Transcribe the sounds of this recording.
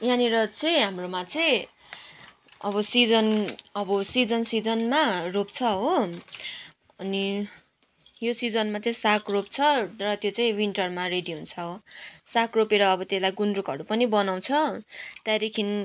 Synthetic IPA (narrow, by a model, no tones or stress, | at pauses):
jɦãniɾʌt͡sʌĩɦamromat͡sʌĩ | ʌbʌsid͡zʌnʌbʌsid͡zʌnsid͡zʌnmarop̚t͡sʰʌɦo | ʌni | josid͡zʌnmat͡sʌĩsakʰrop̚t͡sʰʌrʌt̪jot͡saĩwinʈʌrmareɖiount͡sʰʌɦosakropeɾʌːbʌt̪eslajɡunrukɦʌɾupʌnibʌnaw̃t͡sʰʌt̪aɾekʰin